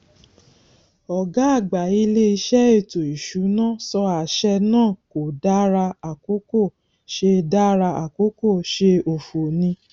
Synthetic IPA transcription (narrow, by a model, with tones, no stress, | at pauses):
ɔ˨ɡa˨˦a˦˨ɡ͡ba˨i˧˦le˦i˧˦ʃɛ˦e˦˨to˨i˨ʃu˨˦nãː˦˨sɔ˧a˨ʃɛ˧nãː˦˨ko˨da˦ɾa˧a˨ko˦ko˦˨ | ʃe˧da˦ɾa˧a̰˨ko˨˦ko˦˨ʃe˧o˨fo˨nĩ˧